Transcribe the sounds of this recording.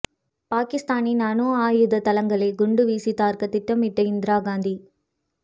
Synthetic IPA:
paːkɪst̪aːninaːnoːaːjɯðɐt̪ɐlɐŋɡɐɭɐɡʊɳɖɯʋiːsit̪aːɾkɐt̪ɪʈːɐmɪʈːɐɪnd̪ɪɾaːɡaːnd̪i

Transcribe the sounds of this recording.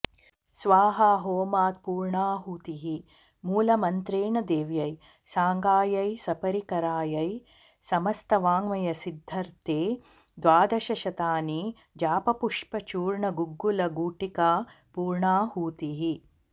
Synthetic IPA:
sʋaːɦɐɦoːmaːt̪̚puːɾɳaːɦuːt̪iɦi | muːlɐmɐnt̪ɾeːɳɐd̪eːʋjɐj | saːŋɡaːjɐjsɐpɐɾikɐɾaːjɐj | sɐmɐst̪ɐʋaːŋʋɐjɐsid̪ʱːɐɾt̪eː | d̪ʋaːd̪ɐʃɐʃɐt̪aːni | d͡ʒaːpɐpuʂpɐt͡ʃuːɾɳɐɡuɡːulɐɡuːʈikaː | puːɾɳaːhuːt̪iɦi

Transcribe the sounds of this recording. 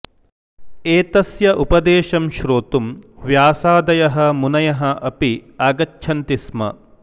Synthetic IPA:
eːt̪ɐsjɐʔupɐd̪eːʃɐmʃɾoːt̪umʋjaːsaːd̪ɐjɐɦɐmunɐjɐɦɐʔɐpiaːɡɐtːʃʰɐnt̪ismɐ̰

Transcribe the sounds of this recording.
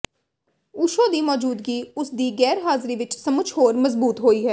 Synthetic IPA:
uʃoːd̪iːmɔːd͡ʒuːd̪ɡiːʊsd̪iːɡɛːɾɦaːzɾiːʋɪt͡ʃsəmʊt͡ʃʰhoːɾməzbuːt̪ɦoːiːɦɛː

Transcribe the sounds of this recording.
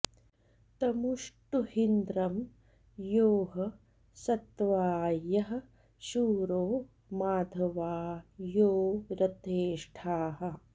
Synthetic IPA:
t̪ɐmuʂʈuhind̪ɾɐm | joːɦɐ | sɐt̪ʋaːjɐɦɐ̆ | ʃuːɾoː | maːd̪ʱɐʋaːjoːɾɐt̪eːʂʈʰaːɦɐ̆

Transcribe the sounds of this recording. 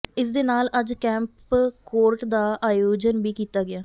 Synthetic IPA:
ɪs̬d̪eːnaːləd͡ʒkɛ̃ːmpkoːɾʈd̪aːʔaːjoːd͡ʒənbiːkiːt̪aːɡɪaː

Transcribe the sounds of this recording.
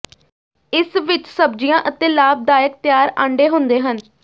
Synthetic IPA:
ɪsʋɪt͡ʃsəbd͡ʒijãːʔət̪ẽːlaːb̚d̪aːjək̚t̪jaːɾãːɳɖeːɦʊ̃nd̪eːɦən

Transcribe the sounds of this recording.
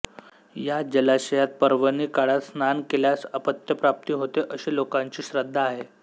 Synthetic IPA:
jad͡ʑəlaɕəjat̪̚pəɾʋəniːkaɽat̪snankeljasəpət̪jəpɾap̚t̪iːɦot̪eʔəɕeːlokaɲt͡ɕiːɕɾəd̪ʱːaːɦe

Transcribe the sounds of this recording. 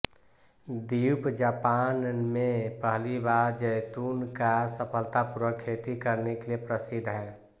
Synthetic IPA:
d̪iupd͡ʒaːpanmẽpəɦlibaɾd͡ʒəɪt̪unkasəpʰəlt̪apuɾəkʰːet̪ikəɾnekeliepɾəsid̪ʱɦɛː

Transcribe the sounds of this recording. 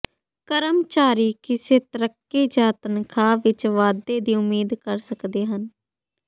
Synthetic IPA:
kəɾəmt͡ʃaːɾiːkɪseːt̪əɾəkːeːd͡ʒaːt̪ənkʰaːʋɪt͡ʃʋaːd̪eːd̪iːʊmiːd̪kəɾsəkd̪eːɦən

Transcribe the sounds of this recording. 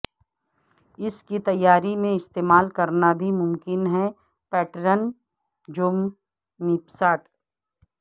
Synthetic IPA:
ɪskit̪ɐjːaːɾimẽɪst̪eːmaːlkɐɾnabʱimʊmkɪnɦɛ | pɛːʈɾən | d͡ʒʊm | niːpsaːʈ

